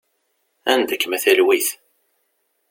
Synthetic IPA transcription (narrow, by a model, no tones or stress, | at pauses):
ænd̪əkːmæθælwiθ